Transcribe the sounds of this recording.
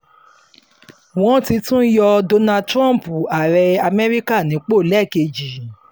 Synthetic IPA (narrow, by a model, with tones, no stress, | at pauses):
w̃ɔ̃˦ti˧˦tũ˦jɔ˧do˧na˧tɾã˦˨m˨pu˨a˨ɾɛ˧a˧mɛ˦ɾi˦ka˦˨nĩ˨˦k͡po˦˨lɛ˦˨ke˧d͡ʒi˨